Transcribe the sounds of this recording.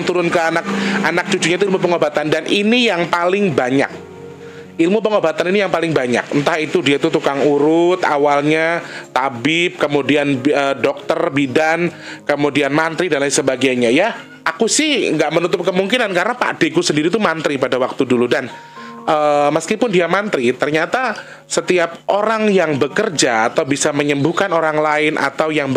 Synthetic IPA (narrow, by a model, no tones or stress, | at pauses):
ŋt̪uɾʊnkəanak̚anak̚d͡ʒud͡ʒuɲait̪uilmup̬əŋobat̪andanʔinijaŋpalɪŋbaɲa̰k̚ | ilmupəŋobat̪aninijaŋpalɪŋbaɲa̰k̚ənt̪ahit̪udiat̪ut̪ukaŋuɾʊt̪a̰walɲat̪abɪp̚kəmudianədɔk̚t̪ərbidan | kəmudianmant̪ɾidanlaisəbaɡajɲaja | akusɪhŋɡaʔmənut̪ʊp̚kəmuŋkinankaɾənapa̰ʔd̥ekusəndiɾit̪umant̪ɾipadawak̚t̪uduludan | ʔəːməskipʊndiamant̪ɾit̪ərɲat̪a | sət̪iap̚ʔoɾaŋjaŋbəkərd͡ʒaːt̪awbisaməɲəmbuhkanoɾaŋlaɪnʔa̰t̪awjaŋb